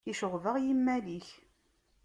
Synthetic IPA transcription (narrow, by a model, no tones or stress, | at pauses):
iʃʊʁvəʁjimːæliç